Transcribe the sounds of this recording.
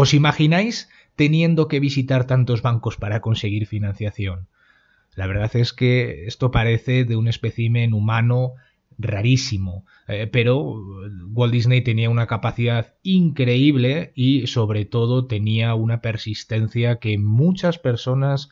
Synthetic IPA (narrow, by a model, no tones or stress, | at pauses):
o̞simaxinajs | t̪e̞njẽ̞nd̪oke̞β̞isit̪aɾt̪ant̪o̞zβaŋko̞spaɾako̞nse̞ɣ̞iɾfinãn̟θjaθjo̞n | laβ̞e̞ɾð̞aθe̞ske̞est̪o̞paɾe̞θe̞ðe̞une̞speθimẽnumano | raɾisimo | pe̞ɾo̞ɣwold̪iznejt̪e̞niaunakapaθiðað | iŋkɾe̞iβle̞iso̞βɾe̞t̪o̞ð̞o̞t̪e̞niaunape̞ɾsist̪e̞nθjake̞mut͡ʃaspe̞ɾso̞nas